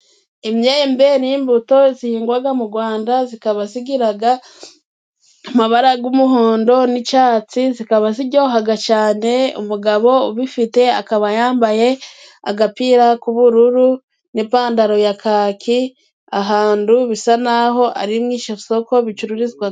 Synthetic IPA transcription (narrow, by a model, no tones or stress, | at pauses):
imɲembeniːmbuto̞zihiːŋɡwaɡamuɡwaːndazikaβasiɡiɾaɡa | amaβaɾaɡumuɦoːndo̞nit͡ʃaːt͡sizikaβaziɟo̞ːɦaɡat͡ʃaːne̞ṵmuɡaβo̞uβifite̞a̰kaβajaːmbaje̞ | a̰ɡapiːɾakuβuɾuɾu | nipaːndaɾo̞jakʰaːkʰi | aɦaːnduβisanaɦo̞ʔa̰ɾimŋiːʃaso̞ko̞βit͡ʃuɾuɾizɡwa